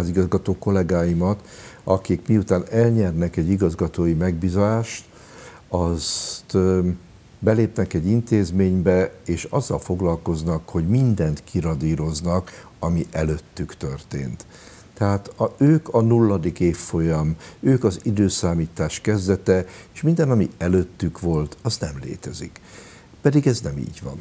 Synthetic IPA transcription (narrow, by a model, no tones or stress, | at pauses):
ziɡɒzɡɒt̪oːko̞lɛɡaːjimɒt̪ɒkikmiut̪aːnɛlɲɛrnɛkɛɟːiɡɒzɡɒt̪oːjimɛɡ̚biːzɒlaːʃt̪ | ɒst̪ | bɛleːpnɛkɛɟint̪eːzmeːɲbɛeːʃɒzːɒlfo̞ɡlɒlko̞znɒkho̞ɟmind̪ɛnt̪kʰiɾɒd̪iːɾo̞znɒk | ɒmiʔɛløt̪ːykt̪ørt̪eːnt̪ | t̪ːɛɦaːt̪øːkʰɒnulːɒd̪ikeːfːo̞jɒmøːkɒzid̪øːsaːmiːt̪aːʃkɛzd̪ɛt̪ɛeʃmind̪ɛnɒmiɛløt̪ːykʋo̞lt̪ʰɒznɛmlḛːt̪ɛzḭk | pɛd̪iɡɛznɛmḭːɟʋɒ̰n